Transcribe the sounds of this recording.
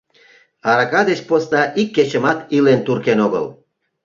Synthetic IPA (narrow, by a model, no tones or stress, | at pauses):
ɑɾɑkɑd̪et͡ɕpost̪ɑʔikːet͡ɕəmɑt̪ilent̪urkenoɣə̰l